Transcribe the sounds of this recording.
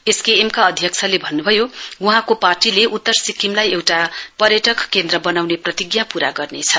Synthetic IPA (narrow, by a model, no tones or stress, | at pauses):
eskeːmkaʌd̪ʱjʌk̚t͡sʰʌlebʱʌnːubʱʌjouɦãkoparʈileʔut̪ːʌrsikimlajewʈapʌɾjʌʈʌkkend̪rʌbʌnawneprʌt̪iɡjapuɾaɡʌrnet͡sʰʌ